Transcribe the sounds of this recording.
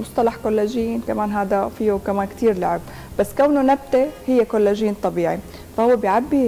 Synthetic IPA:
mʊsˤt̪ˤɑlɑħkolːaʒɪjːiːnkamaːnɦaːd̪afiːukamaːnkt̪iːɾlaʕɪb̚ | basːkawnonab̚t̪ehɪjːakolːaʒiːnt̪ˤɑbiːʕi | fahʊwːebjʕabːi

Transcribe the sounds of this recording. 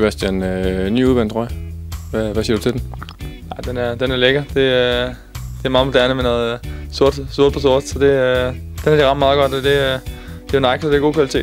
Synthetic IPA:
b̥æsd̥jænny̰ːuð̞ˠʋænd̥̚t͡sʰʁɔ̰ʋæʋæsiɐdut͡sʰe̝d̥en | ɑɪd̥enæɐd̥enæɐleɡ̥ɐd̥e̝ | d̥eæɐmɑ̈ːmʰod̥æɐnəmenɔ̽ːðˠso̝ɐd̥soɐd̥pʰɒ̽s̬oɐ̰d̥sɒ̽d̥e̝d̥enæɐdiʁɑ̈mmɑ̈ðˠɡ̥ɒ̽d̥d̥e̝d̥ejonɑ̈ɪkʰod̥e̝æɐɡ̥o̝ːkʰʋælit͡sʰe̝̰ːd̥

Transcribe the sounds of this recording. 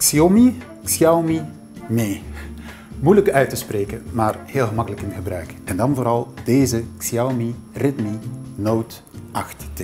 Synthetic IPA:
ksiomi | ksiawmi | meː | mujləkœɥtəspreːkənmaːrheːlˠɣəmɑkələkɪnɣəbrœɥkɛndɑnvoːɾɑlˠd̥eːzəksiawmi | rɪtminowt | ʔɑxtːə

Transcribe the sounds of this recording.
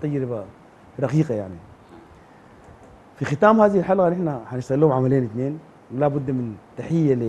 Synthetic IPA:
t̪ːˤɑjːɾba | ɾˤɑqiːqajaʕni | fixɪt̪aːmhaːðihilħalɣanɪħnaħanɪʃt̪aɣlːuːhmʕamaleːnɪt̪neːn | wlabʊd̪ːmɪnt̪ːaħɪjːali

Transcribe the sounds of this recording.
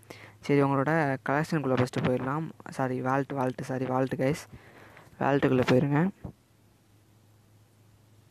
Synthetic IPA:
sɐɾiʊŋɡɐɭoːɽɐkɐlɐkʂɐnkʊɭːɐpɐsʈːɯpoːjɪɾɐlãːmsaːɾiʋaːlʈːɯʋaːlʈːɯsaːɾiʋaːlʈːɯɡɐɪs | ʋa̰ːlʈːɯkɯlːɐpoːjɪɾɯŋɡɐ

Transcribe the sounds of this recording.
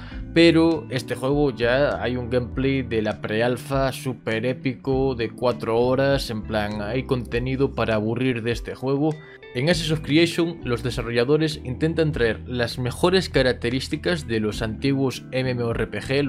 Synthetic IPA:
peɾoe̞st̪e̞xwe̞ɣ̞oʝaa̰juŋɡemplejðelapɾealfasupe̞ɾe̞pikoðekwat̪ɾooɾasemplaŋajko̞nt̪e̞nið̞opaɾaːβ̞uriɾðe̞st̪e̞xwe̞ɣ̞o | eŋas̬es̬ofkɾieʃoŋlo̞zðe̞saro̞ʝaðo̞ɾe̞sint̪ẽ̞nt̪ant̪ɾaeɾlazme̞xo̞ɾe̞skaɾak̚t̪e̞ɾist̪ikazðelo̞sant̪iɣwosememeoerepexe

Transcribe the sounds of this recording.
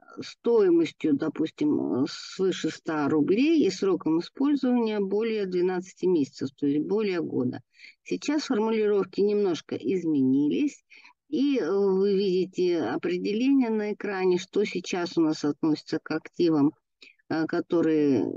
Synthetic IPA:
st̪o̞ɪməsʲtʲjʊd̪ɐpusʲtʲɪmsvɨʂɨst̪aɾʊblʲejisɾo̞kəmɨspo̞lʲzəvənʲɪjəbo̞lʲɪjəd̪vʲɪnat̪sɨ̥tʲɪmʲesʲɪ̥t̪səft̪o̞ɪsʲt̚ʲbo̞lʲɪjəɡo̞̰d̪ə̰sʲɪt͡ɕasfərmʊlʲɪɾo̞fkʲɪnʲɪmno̞ʂkə̰ʔɪzmʲɪnʲilʲɪsʲ | ivɨvʲidʲɪtʲɪɐpɾʲɪdʲɪlʲenʲɪjənəɪkɾanʲɪʂt̪o̞sʲɪt͡ɕasʊnasɐt̪no̞sʲɪ̥t̪səkɐktʲivəm | kɐt̪o̞ɾɨjə̰

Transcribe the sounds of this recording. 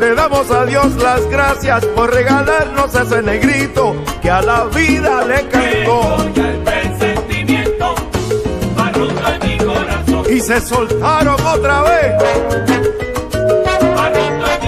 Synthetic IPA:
le̞ðamo̞saðjo̞slazɡɾasjaspo̞ɾre̞ɣalaɾno̞ses̬eneɣɾit̪o̞kealaβiðalekaŋt̪opeent̪iment̪o | ikoɾasise̞so̞lt̪aɾo̞ŋo̞t̪ɾaβes

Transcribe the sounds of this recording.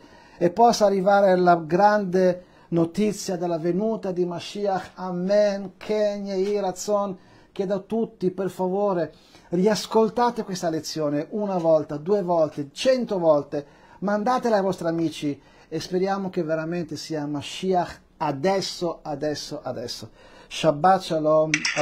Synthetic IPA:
epːɔsːaːrːivaːɾelaɡɾand̪e | not̪it̪sːjad̪elːavenuːt̪ad̪imaʃiaxamːɛnkʰɛɲːeiɾat̪son | k̟ed̪at̪ut̪ːiperfavoːɾe | riaskolt̪aːt̪ekwest̪alet̪sːjoːneʔunavɔlt̪ad̪uːevɔlt̪et͡ʃɛnt̪ovɔlt̪e | mand̪aːt̪elajvɔst̪ɾiamiːt͡ʃi | espeɾjaːmok̟evːeɾament̪esiːamaʃiax | ad̪ɛsːoad̪ɛsːoʔad̪ɛ̰sːoʃabːat͡ʃːalo

